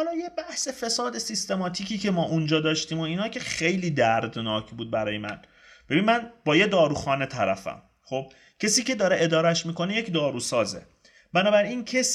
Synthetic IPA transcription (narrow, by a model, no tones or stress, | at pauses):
hɒlɒːjebæhse̞fe̞sɒːd̪esist̪e̞mɒːt̪ʰiːcʰiːcʰemɒːʔund͡ʒɒːd̪ɒːʃt̪iːmo̞iːnɒːcʰe̞xe̞jliːd̪æɾd̪nɒːcʰbuːd̪̚bæɾɒːjemæ̰n | b̥e̞binmænbɒːjed̪ɒːɾuːxɒːne̞t̪ʰæɾæ̰fæ̰m | χo̞b̚ | cʰesiːce̞d̪ɒːɾeʔed̪ɒːɾæʃmiːko̞neje̞cd̪ɒːɾuːsɒːzḛ | bænɒːbæɾiːncʰes